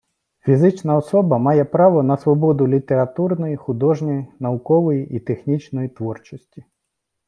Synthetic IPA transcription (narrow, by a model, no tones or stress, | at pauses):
fʲizɪt͡ʃnɐɔsɔbɐmɑjɛpɾɑʋɔnɐsʋɔbɔd̪ʊlʲit̪eɾɐt̪urnɔjixʊd̪ɔʐnɔjinɐʋʊkɔʋɔjiʔit̪exnʲit͡ʃnɔjit̪ʋɔrt͡ʃɔsʲtʲi